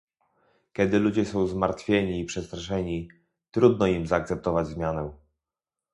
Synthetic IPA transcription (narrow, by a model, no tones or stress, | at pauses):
kʲɛd̪ɘlud͡ʑɛsɔ̃w̃zmaɾt̪fʲjeɲiːpʂɛst̪ɾaʂɛɲi | t̪ɾud̪nɔimzaːk̚t̪sɛp̚t̪ɔvad͡ʑzmʲjanɛ